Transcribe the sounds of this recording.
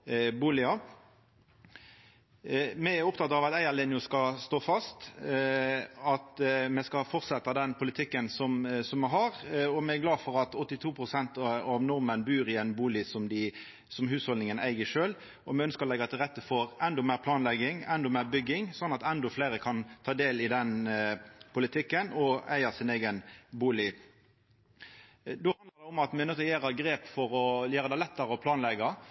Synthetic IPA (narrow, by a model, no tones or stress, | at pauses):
buːlɪɑ | mɛæɾɔpt̪ʰɑt̪ːɑʋɑt̪æɪəlɪnjʊskɑst̪oːfɑst̪ | ɑt̪mɛskɑfɔʁt̪sɛt̪ːɑd̪ɛnpʰʊlɪt̪ʰɪkːənsɔmsɔmːɛɦɑʁɔmɛæɡlɑːd̪fɔɾɑt̪ɔt̪ːɪt̪ʰuːpʰɾʊsɛnt̪ɑʋnɔʁmənbyːɾɪɛnbuːlɪsɔmd̪ɪ | sɔmhʉːshɔlnɪŋənæɪɡəʂøːl | ɔmɛœnskəɾɔlɛɡɑt̪ːɛɾɛt̪ːəfoːɾʔɛnd̪ɔmæːʁpʰlɑːnlɛɡɪŋɛnd̪ɔmæːɾbʏɡɪŋsɔnːɑt̪ɛnd̪ɔfleɪɾəkʰɑnt̪ʰɑːd̪eːlɪd̪ɛn | pʊlɪt̪ʰɪkːənɔæɪɑsɪneːɡənbuːlɪ | d̪oːhɑnd̪ləʁd̪ɛɔmɑt̪mɛnøːt̪ɔjæːɾəɡɾeːpfɔɾɔjæːɾəd̪æɪlɛt̪ːɑɾəɔpʰlɑːnlɛɡɑ